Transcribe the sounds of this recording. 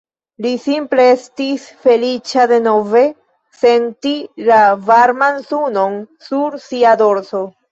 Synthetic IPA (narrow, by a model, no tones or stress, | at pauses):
lisimple̞e̞stisfe̞lit͡ʃade̞no̞ve̞ | se̞ntilavaɾmansuno̞nsuɾsiado̞ɾso̞